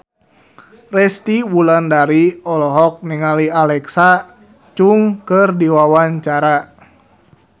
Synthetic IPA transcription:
rɛst̪iwulandaɾiɔlɔɦɔk̚niŋalialɛksa | t͡ʃuŋkɨrdiwawaɲt͡ʃaɾa

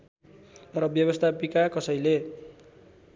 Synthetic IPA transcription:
rʌbjʌβʌst̪ʰapikakʌsʌjle

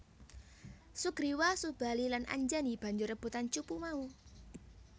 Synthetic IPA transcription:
suɡ̥ɾiwasub̥a̤lilanʔa̰ɲd͡ʒanib̥a̤ɲd͡ʒʊrəb̥ṳt̪ant͡ʃupumau

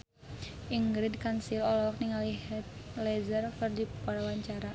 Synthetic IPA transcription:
ʔiŋɡɾidkansilɔlɔk̚niŋaliɦɛt̪lɛzərkɨrdipalawaɲt͡ʃaɾa

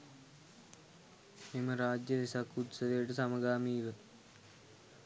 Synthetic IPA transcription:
imɐɾaːd͡ʒjɐʋisɐkːut̪sɐʋejʈəsɐmɐɡaːmiːʋə

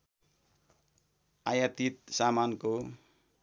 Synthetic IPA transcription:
ʔajat̪it̪̚samanko

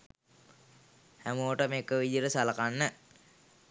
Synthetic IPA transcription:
hæmooʈəmekəʋid͡ʒiɾəsalakanːə

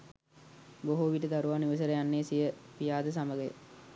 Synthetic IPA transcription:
boɦuʋiʈəd̪aɾuʋaːniʋəs̬əɾəjanːeːsijəpijaːd̪əs̬aməɡəj̰

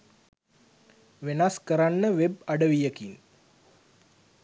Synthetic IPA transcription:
ʋenaskəɾanːəʋeb̚aɖəʋijəkin

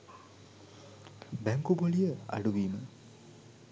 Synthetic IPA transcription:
bæŋkubolijəa̰ɖuʋiːmə

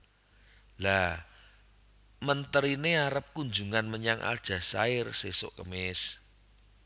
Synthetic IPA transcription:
la | mənt̪əɾineaɾəp̚kund͡ʒuŋanməɲaŋʔa̰ld̥ʒ̥a̤saɪrseso̰ʔkəmɪs

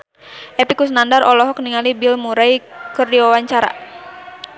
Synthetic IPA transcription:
ʔɛpikusnandaɾɔlɔɦɔk̚niŋalibilmuɾaikɨrdiwawaɲt͡ʃaɾa̰

